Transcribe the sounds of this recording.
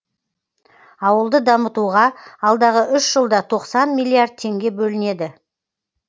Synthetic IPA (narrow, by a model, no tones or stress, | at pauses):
ɑwəlˠd̪əd̪ɑmət̪uʁɑɑlˠd̪ɑʁəʔʏʃʒəlˠd̪ɑt̪ʰo̞qsɑnmijlʲˠːiard̪̚t̪ʰe̞ŋɡʲe̞bɵlɪne̞d̪ɪ